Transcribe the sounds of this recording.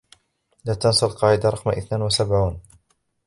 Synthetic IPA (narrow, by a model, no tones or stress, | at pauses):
laːt̪ɑnsˤɨlqɑːʕɪd̪aɾˤɑqmʔɪθnaːnwasabʕuːn